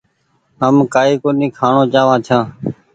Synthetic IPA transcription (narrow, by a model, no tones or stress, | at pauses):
ɦəmkaːiːkoːnĩːkʰaːɳõːt͡ʃaːʋãːt͡ʃʰãː